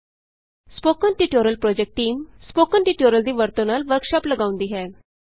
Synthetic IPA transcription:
spokənʈiʈoɾəlpɾɔd͡ʑek̚ʈːiːmspokənʈiʈoɾəld̪iːʋəɾt̪onalʋəɾkɕapləɡaʋũnd̪iɦɛ

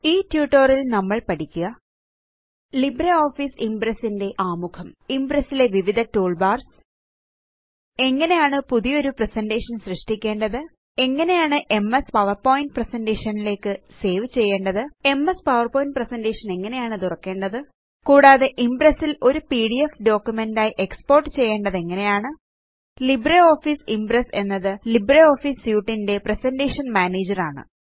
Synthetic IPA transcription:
iːtjuːʈːorilnɐmːɐɭpɐɽikʲːuɣɐ | libɾɐoːfiːsimbɾɐsinde̞ʔaːmukʰɐmimbɾɐsile̞ʋiʋid̪ʱɐtuːɭbaːrs | e̞ŋːɐne̞jaːɳɨpuðijo̞ɾupresɐnde̞ːʂɐnɕrɨʂʈikʲːe̞ːɳɖɐðɨ | e̞ŋːɐne̞jaːɳɨʔe̞mːespɐʋɐrpo̞ːjind̚presɐnde̞ːʂɐnile̞ːkːɨse̞ːʋt͡ɕe̞jːe̞ːɳɖɐðɨe̞mːespɐwɐrpoːjind̚presɐndeːʂɐne̞ŋːɐnejaːɳɨt̪urɐkːe̞ːɳɖɐðɨ | kuːɽaːðe̞ʔimbresːilo̞ɾupiːɽiefɖo̞ːkʲːjumendaːjiʔe̞kspo̞ːrʈːɨt͡ɕe̞jːe̞ːɳɖɐðe̞ŋːɐne̞jaːɳɨ | librɐo̞ːfiːsimbrese̞nːɐðɨlibreo̞ːfiːsjuːʈːinde̞presɐnde̞ːʂɐnmaːneːd͡ʑɐraːɳɨ̰

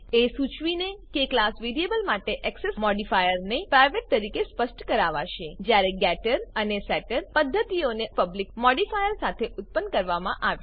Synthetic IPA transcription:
esut͡ʃʋinekeklasʋiɾiebəlmaʈeʔɛksesmɔɖifajəɾnepɾajʋeʈ̚t̪əɾikespəsʈkəɾaʋa̰ʃed͡ʒjaɾeɡɛʈəɾənesɛʈəɾpəd̪ʱːət̪ionepəblik̚mɔɖifajəɾsat̪ʰeʔʊt̪̚pənkəɾʋamã̰ʔaʋj

